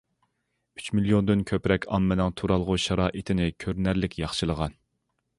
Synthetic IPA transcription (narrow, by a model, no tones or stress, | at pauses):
y̥t͡ʃmilˠijond̪ynkʲʰøpɾɛkʲʰɑ̰mːɪnɪŋt̪ʰuɾɑlˠʁʊʃɑɾɑːʔit̪ʰɪnɪkʲʰøɾnæɾlɪkʲjɑχʃɨlˠəʁɑn